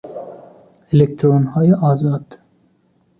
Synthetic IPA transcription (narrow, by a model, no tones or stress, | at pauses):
elekt̪ʰɾoːnhɑːjeʔɑːzɑːd̪̥